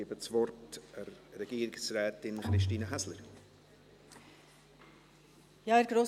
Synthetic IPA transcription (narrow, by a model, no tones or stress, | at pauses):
iəbət͡svɔɾtəɾːɛɡ̥iːɾɪksrɛːtɪnχɾɪʃtiːnəɦɛsləɾ | jɑːɛɾɡ̥ɾoː